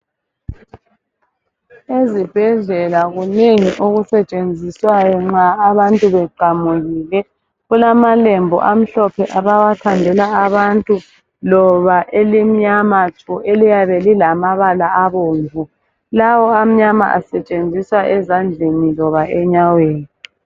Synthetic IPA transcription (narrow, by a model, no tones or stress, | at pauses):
ezib̥ʱɛɮɛlaɣuneŋiʔoɣusɛt͡ʃʼend͡zʱiswajɔŋ͡ǁaːβantʼuβɛǃʱamuɣiːlɛ | ɣulamalɛmbʱɔ̰ʔam̩ɬɔpʰɛʔaβawatʰandʱɛlaaβantʼu | lɔβaʔelim̩ɲamatʰuʔelijaβelilamaβalaaβoːɱvʱu | lawɔam̩ɲama̰ʔa̰sɛt͡ʃʼend͡zʱiswaʔɛzand͡ɮʱenilɔβaɛɲaweːni